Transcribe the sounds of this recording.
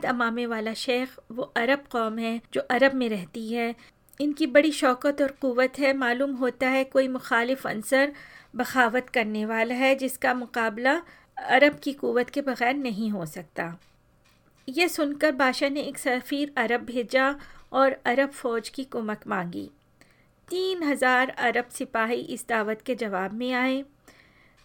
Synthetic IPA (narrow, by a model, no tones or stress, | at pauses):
t̪ɐmaːmeʋaːlaʃeːxʋoʔɐɾəbqɔːmɦɛ̃d͡ʒoːʔɐɾəbmẽɾɛɦt̪iɦɛː | ɪnkibɐɽiʃɔːkət̪ɔːɾquʋət̪ɦɛmaːluːmɦoːt̪aɦɛkoːimʊxaːlɪfɐ̰̃nsəɾbɐxaːʋət̪kɐɾneʋaːlaɦɛd͡ʒɪskamʊqaːbla | ɐɾəbkiquʋːət̪kebɐɣɛːɾnɐɦĩɦosɐk̚t̪aː | jesʊnkɐɾbaːʃaneeːksɐfiːɾɐɾəb̚bʱeːd͡ʒaɔːɾɐɾəbfɔːd͡ʒkikʊːməkmãːŋɡḭː | t̪iːnɦɐzaːɾɐɾəbsɪpaːɦiʔɪsd̪aːʋət̪ked͡ʒɐʋaːbmẽaːẽː